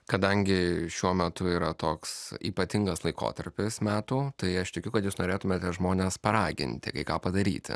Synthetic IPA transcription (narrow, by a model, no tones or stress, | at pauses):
kɐd̪ɐŋʲɡʲɪʃʲuɔmʲɛt̪ʊiːɾɐt̪oːksḭːpɐt̪ʲɪŋɡɐslˠɐɪko̰ːt̪ɐɾʲpʲɪsmʲæːt̪uːt̪ɐɪɐʃt̪ʲɪkʲʊkɐt̪juːsnoːɾʲeːt̪ʊmʲeːt̪ʲːʒmoːnʲeːspɐɾɑːɡʲɪ̰nʲt̪ʲɪ̰kɐɪkɑːpɐd̪ɐɾʲḭːt̪ʲɪ̰